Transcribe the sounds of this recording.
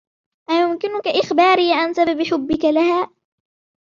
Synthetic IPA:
ʔajʊmkɪnʊkaʔɪxbaːɾiːʕansababħʊbːɪkalahaː

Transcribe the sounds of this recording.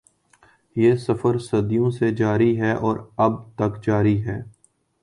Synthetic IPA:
jeːsɐfəɾsɐd̪ijõsed͡ʒaːɾiɦɛːʔɔːɾɐb̚t̪ɐkd͡ʒaːɾiɦɛː

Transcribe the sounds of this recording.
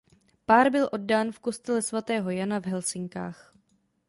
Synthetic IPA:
paːɾbɪlʔo̞d̚daːnfko̞st̪ɛlɛsvat̪ɛːɦo̞janavɦɛlsɪŋka̰ːx

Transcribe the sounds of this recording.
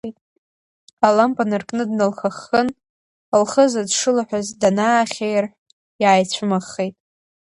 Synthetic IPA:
ejtʼ | alampʼanɨrkʼnɨdnɨlχaχːən | lχəzadʂɨlaħʷᶣazdanaːχʲejrħʷᶣ | jaːjt͡ɕʷʰɨmaχːejtʼ

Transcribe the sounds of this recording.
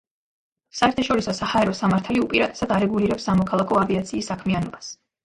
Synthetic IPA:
saɛɾt̪ʰaʃɔɾisɔsahaɛɾɔsamaɾt̪ʰaliupʼiɾat̪ʼɛ̥sad̪aɾɛɡuliɾɛpsamɔkʰalˠakʰɔaviat̪sʰiːsːakʰmianɔbas

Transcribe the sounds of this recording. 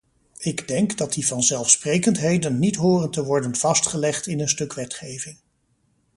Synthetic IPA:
ɪɡdɛŋkdɑt̚divɑnzɛlˠfsprejkəntɦejdənːitɦʊːrəntəʋɔɹdənv̥ɑstχəlɛχtɪnənstɵkʋɛtχejvɪŋ

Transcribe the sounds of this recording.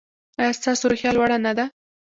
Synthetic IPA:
ajɑst̪ɑsoɾʊxjɑlwaɽanad̪a

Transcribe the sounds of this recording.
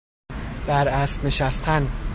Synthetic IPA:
b̥æɾæst̪ne̞ʃæst̪ʰæn

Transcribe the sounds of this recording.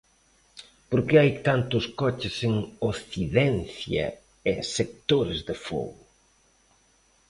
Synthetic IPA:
poɾkeajt̪ant̪ʊskɔt͡ʃɪseŋoθiðɛnθjɐ̰ | esek̚t̪oɾɪzðefɔ̰ɣʊ

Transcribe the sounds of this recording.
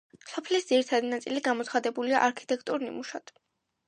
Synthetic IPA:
sɔpʰlisd̪ziɾit̪ʰad̪inat̪sʼiliɡamɔt̪sʰχad̪ɛbulia̰ʔaɾkʰi̥t̪ʼɛkʰt̪ʼuɾnḭmuʃat̪ʰ

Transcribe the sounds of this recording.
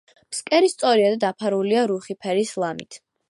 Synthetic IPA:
pskʼɛɾist̪sʼɔɾiad̪ad̪apʰaɾuliaɾuχipʰɛɾislˠamḭt̪ʰ

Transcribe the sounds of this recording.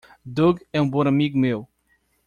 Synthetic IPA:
d̪oɡɛũbõnamiɡumew

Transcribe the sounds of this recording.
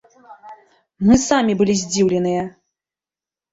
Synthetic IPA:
mɨsamʲibɨlʲizʲd͡zʲiwlʲɛnɨjɐ

